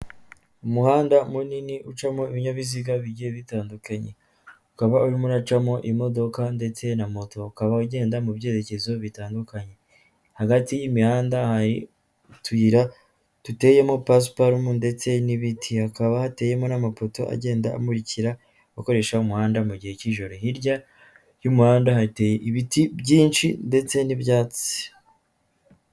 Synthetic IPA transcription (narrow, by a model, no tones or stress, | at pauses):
umuhaːndamuniniʔut͡ʃamo̞iβiɲaβiziɡaβiɟieβitaːndukaɲe̞̰ | ukaβauɾimonat͡ʃamo̞ʔimo̞do̞kande̞t͡se̞namo̞to̞ukaβauɟe̞ːndamuβje̞ːɾe̞ce̞zo̞βitaːndukaɲe̞ | haɡatijimihaːndahaɾi | tuiɾa | tute̞je̞mo̞pas̬paɾumunde̞t͡se̞niβitʰihakaβahateje̞mo̞namafo̞to̞̰ʔa̰ɟe̞ːndaa̰muɾiciɾa | uko̞ɾe̞ʃaumuhaːndamuɟihe̞ciʒo̞ɾo̞hiɾɟa | jumuhaːndahaɾite̞ːjeʔiβitibɟiːnt͡ʃinde̞t͡se̞nibjaːt͡si̥